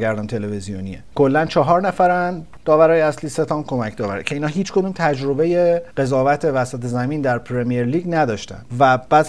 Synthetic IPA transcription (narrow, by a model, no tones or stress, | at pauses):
ɡæɾd̪ɒnt̪ʰe̞levezijoniḛkʰo̞lːænt͡ʃʰɒːɦɒːɾnæfæɾæn | d̪ɒːvæɾɒːjeæsliːset̪ʰɒːmkʰo̞mæcʰd̪ɒːvæ̰ɾecʰeiːnɒːɦiːt͡ʃʰkʰo̞d̪uːmt̪ʰæd͡ʒɾo̞be̞jeɢe̞zɒːvæt̪ʰevæsæt̪ʰezæmiːnd̪æɾpʰɾemijeɾliːɟnæd̪ɒːʃt̪æ̰nd̪væb̥æːd̪